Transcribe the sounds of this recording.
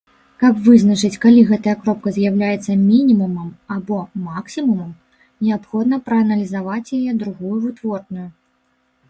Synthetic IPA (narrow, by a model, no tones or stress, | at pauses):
kɐpvɨznɐt͡ʂɨt͡sʲkalʲiɣɛt̪ɐjɐkɾɔp̚kɐzʲjawlʲajɛt̪sːɐmʲinʲimumɐmabɔmaksʲimumɐm | nʲɛapxɔd̪nɐpɾɐɐnɐlʲizavat͡sʲjajɛd̪ɾuɣujuvɨt̪vɔrnuju